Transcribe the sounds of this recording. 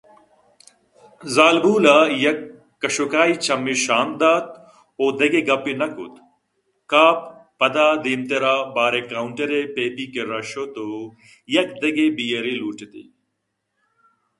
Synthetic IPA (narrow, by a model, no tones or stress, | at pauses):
zaːlbuːlajɐkː | ɐʃokaːit͡ʃɐmːiʃaːmd̪aːt̪ | oːd̪ɐɡeɡɐpinɐkʊ̰t̪ | kaːpː | ɐd̪aːd̪eːmt̪eɾaːbaːɾekaːʊɳʈɐɾepeːp̪ikeɾɐʃoːt̪o | jɐkd̪ɐɡebijɐɾiluːʈet̪ḭː